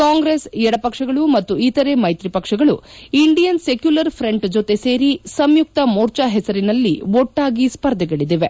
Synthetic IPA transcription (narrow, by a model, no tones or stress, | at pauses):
kaːŋɡɾesɛɽɐpɐkʂɐɡɐɭumɐt̪ːuit̪ɐɾe̞mɐjt̪ɾipɐkʂɐɡɐɭuiɳɖijɐnsekjulɐɾpʰɾe̞ɳʈd͡ʒot̪e̞se̞ːɾisɐmjuk̚t̪ɐmoːɾt͡ʃaɦɛsɐɾinɐlːiɔʈːaːɡispɐɾd̪ʱɐɡeɭid̪ʋe̞